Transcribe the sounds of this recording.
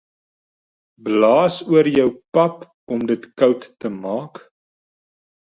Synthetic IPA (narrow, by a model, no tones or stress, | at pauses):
blɑːsuərjœwpɐp | ɔmdətkœwtːəmɑːk